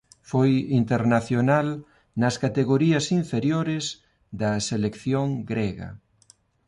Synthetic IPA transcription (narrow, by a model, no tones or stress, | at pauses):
fojint̪eɾnaθjonal | nɐskat̪eɣoɾiɐsiɱfeɾjoɾez | d̪ɐselekθjoŋɡɾɛɣɐ̰